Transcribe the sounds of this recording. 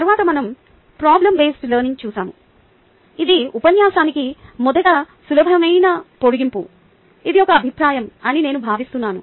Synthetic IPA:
t̪ɐɾʋaːt̪ɐmɐnɐm | pɾaːblɐmbeːsʈlɐːniŋt͡ʃuːsaːmu | id̪iupɐnjaːsaːnikimɔd̪ɐɡaː | sulɐbʱɐmɐjnapoɽuɡimpu | id̪iɔkɐːbʱipɾaːjɐmɐnine̞ːnubʱaːʋist̪unːaːnu

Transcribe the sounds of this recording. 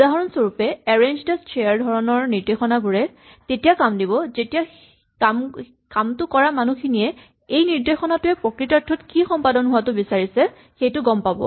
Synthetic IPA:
udaɦɔɹɔnsoɹupɛɛɹend͡ʒdɛstʰejaɹdʱɔɹɔnɔɹniɹdexɔnaɡuɹɛ | tetijakamdiβɔzetija | kam | kamtʊkɔɹamanuxʰinijɛ | ejniɹdexɔnatʊɛpɹɔkɹitatʰːɔtkixɔmpadɔnɦʊatʊbisaɹisɛ | xejtʊɡɔmpabɔ̰

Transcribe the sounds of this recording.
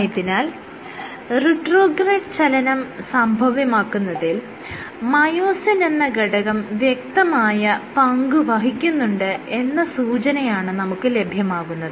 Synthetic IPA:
jɐt̪ːinaːl | riʈro̞ːɡreʈt͡ɕɐlɐnɐmsɐmbʱɐʋɐmaːkːunːɐðil | mɐjoːsɐne̞nːɐɡɐɽɐɣɐmʋjek̚t̪ɐmaːjɐpɐŋɡuʋɐɦikʲːunːuɳɖɨe̞nːɐsuːt͡ɕɐnɐjaːɳɨnɐmukːɨle̞bʱjɐmaːɣunːɐðɨ

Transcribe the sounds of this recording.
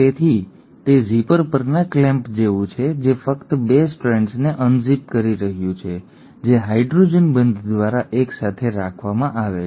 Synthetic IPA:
t̪et̪ʰi | t̪ezipəɾpəɾnaklɛ̃mpd͡ʒeʋũt͡ʃʰed͡ʒefəkt̪besʈuɾẽɳʈsneʔənzip̚kəɾiɾəɦjũt͡ʃʰe | d͡ʒeɦaiɖɾod͡ʒənbənd̪ʱd̪ʋaɾaʔeksat̪ʰeɾakʰʋamãʔaʋe

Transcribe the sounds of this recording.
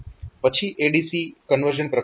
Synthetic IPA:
pət͡ʃʰiʔeɖisikənʋəɾʒənpɾə

